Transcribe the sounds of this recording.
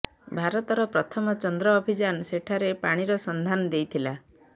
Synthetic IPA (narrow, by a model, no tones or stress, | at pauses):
bʱaɾɔt̪ɔɾɔpɾɔt̪ʰɔmɔt͡ʃɔnd̪ɾɔːbʱid͡ʒanseʈʰaɾepaɽ̃iɾɔsɔnd̪ʱanɔd̪ejt̪ʰila